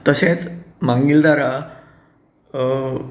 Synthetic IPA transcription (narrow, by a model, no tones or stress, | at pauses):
t̪əsẽt͡smãŋɡild̪aɾa